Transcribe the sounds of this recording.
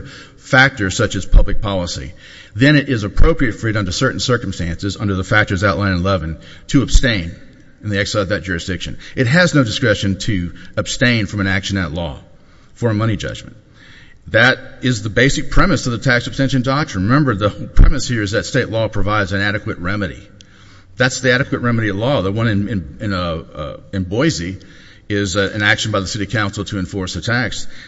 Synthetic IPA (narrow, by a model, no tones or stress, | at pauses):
fæk̚tə˞z̥sʌt͡ʃɨz̥pʰʌblɨk̚pʰɑlˠəsḭ | ðɨ̃ɾ̃ɨɾʔɪzɨpʰɹ̥oʊpɹiɨtfɹiɾʌ̃ntəsɜ˞ʔn̩sɜ˞km̩stæ̃nsɨzʌ̃ndə˞ðəfæk̚tə˞zaʊʔˡlãɪ̃nlɛvɨ̃n | tʰɨəb̥stẽɪ̃ñ | n̩ðiɛksaɪʌvðɨt̚d̥ʒ̥ʊɹɨsd̥ɪkʃɨ̃nʔɨt̚ɦɨznoʊdɨskɹɛʃɨ̃ntʰɨɨb̥stẽɪ̃nfɹʌ̃mɨ̃nækʃɨ̃nɨtˡlɔ̰ | fə˞ɨmʌnid͡ʒʌ̰d͡ʒmn̩ | ðɨɾɪzðəbeɪsɨk̚pʰɹ̥ɛmɨsʌvðɨtʰæksəb̥stɛ̃nʃɨ̃ndɑk̚tɹ̥ɨ̃nɹɨmɛ̃mbə˞ðəpʰɹ̥ɛ̰mɨshiɹɨzðɨtsteɪʔˡlɔpʰɹ̥ɨvaɪdzɨ̃næɾɨkwɨt̚ɹɛmɨɾḭ | ðætsðiæɾɨkwɨt̚ɹɛmɨɾiɨtˡlɔðəwʌ̃nɨ̃nɨ̃nɨ̃n | ɨ̃nbɔɪzi | ɪzɨ̃nækʃn̩baɪðɨsɪɾi̥kʰãʊ̃nsl̩ˠtʰɨɨ̃ɱfɔɹsɨtʰæks